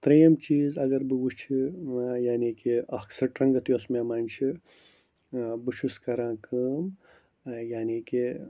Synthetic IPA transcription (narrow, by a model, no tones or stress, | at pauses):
t̪ɾijɐmt͡ʃiːzɐɡɐɾbɨʋut͡ʃʰijaːnikiɐksɐɾʈɾɐ̃ŋɡɐt̪ijoːsmeːmaːnʲt͡ʃʰi | bɨʃʰuskɐɾãːkɨːm | jaːniːki